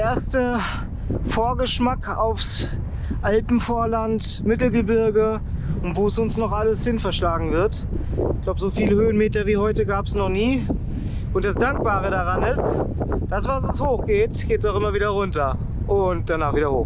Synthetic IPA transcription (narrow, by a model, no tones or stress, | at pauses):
ʔeːɐstə | foːɐɡəʃmakʰaʊfs | ʔalpm̩foːɐlant | mɪtl̩ɡəbɪɐɡə | ʊntv̥oːɛsʊnsnɔχʔaləshɪnfɛɐʃlaːɡŋ̩vɪɐt | ɪçɡlaʊbəzoːfiːləhøːənmeːtɐviːhɔʏtəɡaːpəsnɔχniː | ʔʊntd̥asd̥aŋk̚b̥aːʁ̞ədaʁanɪstd̥asv̥as̬ɛshoːxɡ̥eːtɡ̥eːtsaʊʔɪmɐviːdɐʁʊntɐ | ʔʊnt̚d̥anaːχviːdɐhoː